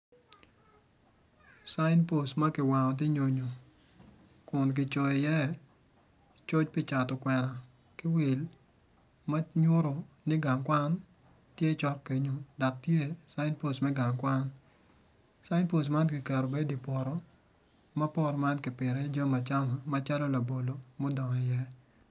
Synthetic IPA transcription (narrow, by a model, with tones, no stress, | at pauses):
sa˦ɪndpo˨sma˦kɪ˨wa˨ŋɔ˨t̬ɪ˦ɲo˨ɲo˨ | kʊ˨nk̬ɪ˨t͡ʃɔ˨ɪ˨jɛ˦ | t͡ʃo˦t͡ʃpɪ˦˨t͡ʃa˨tɔ˨kwɛ˨ɾa˨ | kɪ˦wi˨l | ma˦ɲʊ˦ɾo˨ | nɪ˦ɡa˨ŋkwa˦n | tje˦t͡ʃɔ˦kːe˨ɲo˨da˨k̚tje˦sa˦ɪ˦ndpo˦smɛ˦ɡa˨ŋkwa˦n | sa˦ɪ˦ndpo˨s̬ma˦nkɪ˨kɛ˨ɾo˨be˦di˨pwɔ˨ɾɔ˦ | ma˦pɔ˦rma˦nkɪ˨pɪ˨ɾɛ˦d͡ʒa˦ma˨t͡ʃa˦ma˨ma˦t͡ʃa˦lɔ˦la˨bo˨lo˨mo˦dɔ˨ŋɔ˨ɪ˨jɛ˦